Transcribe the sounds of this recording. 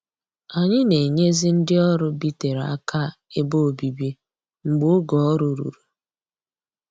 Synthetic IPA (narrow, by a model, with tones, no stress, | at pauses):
a˨ɲɪ˦ne˨ɲe˦zi˦n̩˦dɪ˦ɔ˦ɾʊ˦bi˦te˨ɾa̰˦kʰa˦ | e˦bo˦o˨bi˨bi˦ | ŋ͡m̩˨ɡ͡bo˦ʊ˦ɡɔ˨ɔ˦ɾʊ˨ɾṵ˨ɾu˨